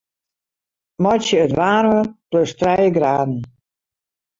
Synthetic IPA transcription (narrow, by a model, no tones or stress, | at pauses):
mɔjtjəətʋaːrʋətlʊstrɛjəɡraːdn̩